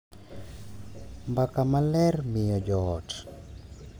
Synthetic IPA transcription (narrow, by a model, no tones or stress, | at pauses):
mbakamalɛrmɪjɔd͡ʒɔt